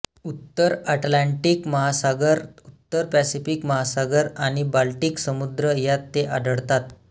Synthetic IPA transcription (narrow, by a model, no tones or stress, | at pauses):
ut̪ːəɾaʈlaɳʈiːkməɦasaɡəɾut̪ːəɾpæsifikməɦasaɡəɾaɽ̃ibalʈiːksəmud̪ɾəjat̪ːeʔaɖəɽt̪at̪